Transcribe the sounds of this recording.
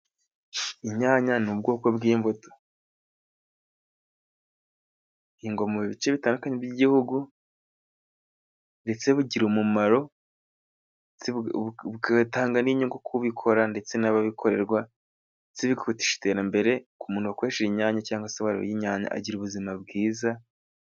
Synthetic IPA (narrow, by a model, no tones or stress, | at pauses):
iɲaːɲanub̚ɡo̞ːko̞bɡiːɱvoto̥ | niːŋɡomuβiβit͡ʃe̞βitaːndukaɲebjiɟihuɡu | nde̞t͡se̞βuɟiɾumumaɾo̞ | t͡sekataːŋɡaniːɲuŋɡokʰuβikʰo̞ɾande̞t͡se̞naβaβikʰo̞ɾe̞ɾɡwa | et͡siβikḁkuti̥ʃi̥te̞ːɾambe̞ɾe̞kumuːnuwakweːʃeɾiɲaːɲacaːŋɡaseβaɾa̰jiɲaːɲa̰ʔa̰ɟiɾuβuzimabɡiːza